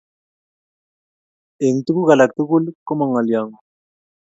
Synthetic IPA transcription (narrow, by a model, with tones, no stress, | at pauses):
e˨ŋt̪u˦ku˦ɣa˨la˨k̚t̪u˦ku˦lkɔ˦ma˨ŋa˨lja˨ŋɔ˨